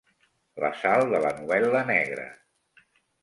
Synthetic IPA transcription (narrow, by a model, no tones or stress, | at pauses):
lə̰salˠd̪ələnuβɛlənɛɣɾə̰